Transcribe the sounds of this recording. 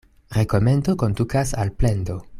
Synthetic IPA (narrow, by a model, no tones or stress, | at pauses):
ɾe̞ko̞me̞ndo̞ko̞ndukasa̰lple̞ndo̞